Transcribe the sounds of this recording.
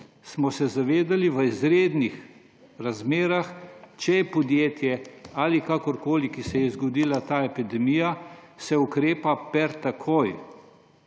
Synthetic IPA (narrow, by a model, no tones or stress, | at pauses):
smɔsɛzaʋeːd̪aliʋəizɾeːd̪nix | ɾazmeːɾaxt͡ʃɛjɛpɔd̪jeːt̪jɛaːlikakɔɾkoːlikisɛjɛzɡɔd̪iːlat̪aːepid̪ɛmijasɛukɾeːpapɛɾt̪akʰoj